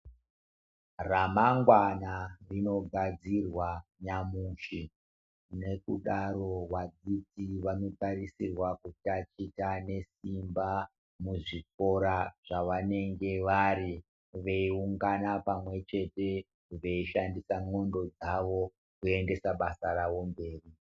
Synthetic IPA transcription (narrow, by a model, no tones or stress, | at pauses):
ramaŋɡwanarino̞ɡʱad͡zirwaɲamuʃi | ne̞kṵɗaɾo̞wad͡zitiʋano̞taɾisirwakutat͡ʃitane̞simba | muʐik̚o̞ɾaʐ̥aʋane̞ŋɡe̞ʋaɾi | ʋe̞iuŋɡanapamwe̞t͡ʃe̞te̞ | ʋe̞iʃandisaŋo̞ndo̞d͡zaʋo̞ | kue̞nde̞saɓasaɾaʋo̞mbe̞ːri